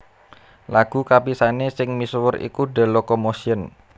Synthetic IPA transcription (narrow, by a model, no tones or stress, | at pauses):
laɡ̥ṳkapisanesɪŋmiswʊrḭkuɖa̤lokomosiən